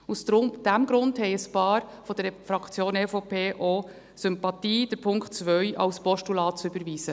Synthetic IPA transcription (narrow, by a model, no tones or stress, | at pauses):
usdɾʊmd̥æmɡɾʊndhɛɪəspɑːɾfɔd̥əɾfɾɑkt͡sjoːnefopʰeːʔo | sʏmpɑt̪iːd̥əɾpʰʊŋktt͡sʋœʏʔɑ̰lspɔʃtulɑːtt͡sʏbəɾʋiːsə